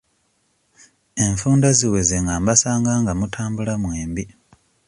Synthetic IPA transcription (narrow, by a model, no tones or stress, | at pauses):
e̞ɱfuːndaziwe̞zeŋɡaːmbasaːŋɡaːŋɡamutʰaːmbulamweːmbi